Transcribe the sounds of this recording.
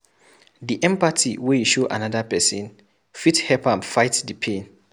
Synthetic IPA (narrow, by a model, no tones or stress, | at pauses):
diʔɛ̃mpatʰiwɛjuʃoʔa̰nadapɛsĩn | fithɛpãnfaɪtdipʰẽn